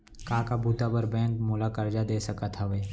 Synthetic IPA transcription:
kaːkabʱuːt̪abəɾbɛ̃ːŋkmulakəɾd͡ʒad̪eːsəkat̪ʰaʋe

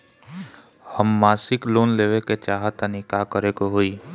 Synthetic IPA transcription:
həmːaːsɪkloːnleːʋeket͡ʃaːɦət̪ənikaːkəɾekoɦoːiː

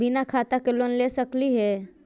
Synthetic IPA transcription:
binakʰat̪akelonlesəkliɦɛ

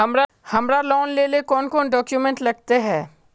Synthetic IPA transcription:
ɦɐmɾa | hɐmɾalɔːnleːlekɔːnkɔːnɖɔːkjumɛ̃ɳʈlɐɡ̚t̪eɦɛ̃ː

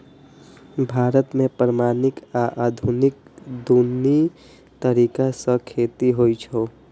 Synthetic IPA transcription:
bʱaːɾət̪mẽpɾəmaːnɪkaʔad̪ʱunɪk̚d̪uni | t̪əɾikasə̃kʰet̪iɦojt͡ʃʰo

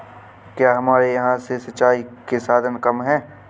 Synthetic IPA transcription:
kjaːɦɐmaːɾejɐɦãsesɐʃaːikesaːd̪ʱənkɐmɦɛ̃ː

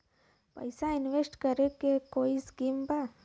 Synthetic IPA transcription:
pɐ̰ɪsaɪnʋeːsʈkəɾekekoːiskiːmba

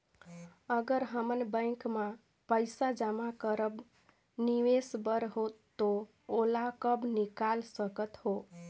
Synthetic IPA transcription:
əɡəɾɦəmənbə̃ɪ̃kma | pəjsad͡ʒamakəɾəb | niʋesbəɾɦot̪ːo | olakəbnikalsəkət̪ɦo

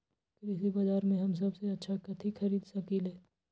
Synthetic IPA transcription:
kɾɪsibaːzaːɾmẽɦɐms̬ɐbseɐtːʃʰakɐt̪ʰixɐɾiːd̪sɐkileː

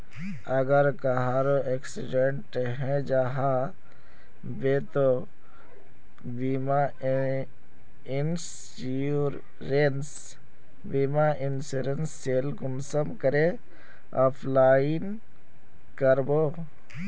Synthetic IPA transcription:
əɡəɾkaɦaːɾoʔeksɪɖeɳʈɦɛ̃d͡ʒaːɦa | bet̪o | bima | ɪns | ɾ | ɾens | biːmaʔɪnsuɾensːeːlkʊnsəmkəɾe | aːpʰlaːin | kəɾboː

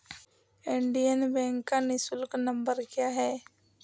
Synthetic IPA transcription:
eɳɖijənbɛ̃ːŋkːanɪsʊlknə̃mbəɾkjaːɦɛː

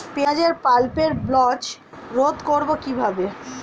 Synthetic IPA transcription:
pead͡ʑeɾpalpeɾblɔt͡ɕ | ɾot̪koɾbokibʱabe

